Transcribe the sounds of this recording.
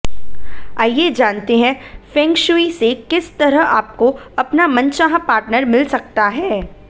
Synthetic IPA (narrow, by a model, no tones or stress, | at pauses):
aːjed͡ʒaːnt̪eɦɛ̃fɛ̃ːŋkʃuisekɪst̪ɐɾəɦaːp̚koɐpnamɐ̃nt͡ʃaɦãpaːɾʈnəɾmɪlsɐk̚t̪aɦɛː